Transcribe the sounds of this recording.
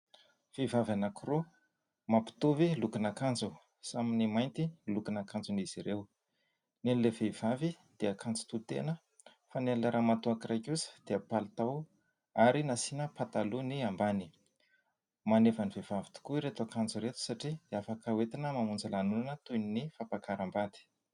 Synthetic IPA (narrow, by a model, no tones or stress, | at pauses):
fevavanakuru | mapi̥t̪uvilukinakand͡zu | saminimajnt̪ilukinakand͡zuniz̥iɾew | nenilevev̥avi | d̪̥eakant͡su̥t̪ut̪ḛnə | fanelləɾʔamat̪uakirajkusə̥d̪̥eapalit̪aw | aɾinasinəpat̪aluniambani̥ | manevanivevavit̪u̥kuiɾet̪uakand͡zuɾet̪u̥saʈ͡ʂid̪̥eafakəwet̪inəmamund͡zalanulanət̪ujninifapakaɾambad̪i̥